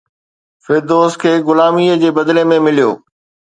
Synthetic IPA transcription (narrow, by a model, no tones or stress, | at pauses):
fɪɾd̪oːskʰeːɡʊlaːmiːəd͡ʑeːbɐd̪lemẽmɪlijo̰ː